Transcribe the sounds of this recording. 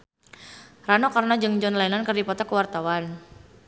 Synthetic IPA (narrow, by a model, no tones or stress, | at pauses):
ranɔkarnad͡ʒɨŋd͡ʒɔnlainankɨrdipɔt̪akəwart̪awan